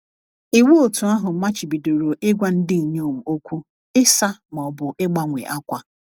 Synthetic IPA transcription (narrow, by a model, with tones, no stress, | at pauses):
i˨wo˦o˨tu˨a˦ɦʊ˨m̩˦ma˦t͡ʃɪ˨bi˨do˨ɾo˨ʔɪ˦ɡʷa˦n̩˦dɪ˦˨ɲ˦o˦˨m̩˨o˦kʷu˦ | ɪ˦sa˦mɔ˨bʊ˨ʔɪ˦ɡ͡ba˦ŋʷḛ˨ʔa˦kʷa˦